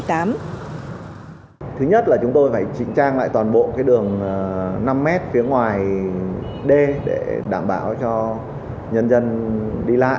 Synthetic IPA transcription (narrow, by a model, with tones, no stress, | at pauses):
jt̪aː˨˦m | t̪ʰɨ˨˦ɲə˦˥t̚laː˨˩t͡ɕʊ˨˦ŋ͡mt̪o˧jfaː˧˩jt͡ɕï˧˩ŋ̟t͡ɕaː˧ŋla̰ː˧˨jt̪waː˨˩nɓo̰˧˨kaː˨˦jɗɨ˨˩əŋ˩na˧mːɛ˦˥t̚fi˨˦əŋwaː˨˩j | ɗe˧ɗḛ˧˩ɗaː˧˩mɓaː˧˩wt͡ɕɔ˧ | ɲə˧nzə˧nɗi˧la̰ː˧˨